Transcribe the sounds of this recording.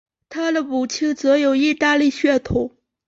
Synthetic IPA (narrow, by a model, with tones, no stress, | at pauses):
t̪ʰa˥d̪ə˨pu˨˩t͡ɕʰi˥˩ŋt͡sɤ˧˥jo˨˩ʊi˥˧t̪a˥˧li˥˧ɕɥɛ˥˩t̪ʰu˨˩˦